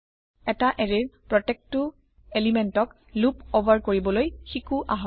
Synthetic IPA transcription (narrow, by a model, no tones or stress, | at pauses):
ɛtaʔɛɹiɹpɹɔtɛk̚tu | elimɛntɔk | lupobʱaɹkoɹibɔlojxikuʔaɦɔ